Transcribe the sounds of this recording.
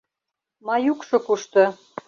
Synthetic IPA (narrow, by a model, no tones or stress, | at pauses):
mɑjukʃŏkuʃt̪ɤ̆